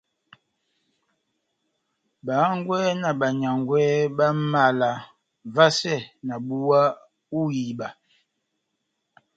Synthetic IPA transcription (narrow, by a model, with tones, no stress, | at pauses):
ba˨˦ŋ˦ɡwɛ˦na˨ba˨ɲa˨ŋ˨ɡwɛ˦ba˦ma˦˨la˨ | va˦sɛ˦˨na˨bu˦wa˦ | u˦ji˨ba˨